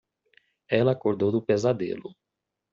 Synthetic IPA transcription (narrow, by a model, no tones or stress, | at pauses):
ɛlɐkoɾd̪owd̪ʊpezad̪ḛlʊ